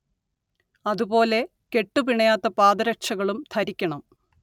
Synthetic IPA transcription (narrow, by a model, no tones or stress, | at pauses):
ɐðubo̞ːle̞ | ke̞ʈːupiɳɐjaːt̪ːɐpaːd̪ɐɾɐk̚t͡ɕɐɣɐɭumt̪ʰɐɾikʲːɐɳɐm